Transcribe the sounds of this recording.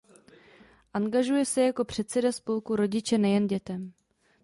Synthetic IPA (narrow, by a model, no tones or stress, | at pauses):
ʔaŋɡaʒujɛsɛjako̞pr̝̥ɛt̪sɛdaspo̞lkuɾo̞ɟɪt͡ʃɛnɛjɛnɟɛt̪ɛm